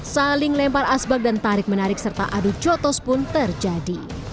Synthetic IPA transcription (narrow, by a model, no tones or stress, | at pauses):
salɪŋlɛmparasbak̚dant̪aɾɪk̚mənaɾɪk̚sərt̪a̰ʔadud͡ʒɔt̪ɔspʊnt̪ərd͡ʒadi